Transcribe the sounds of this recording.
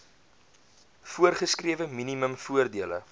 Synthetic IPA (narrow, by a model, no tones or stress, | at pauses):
fuərχəskriəvəminiməmfuərdiələ̰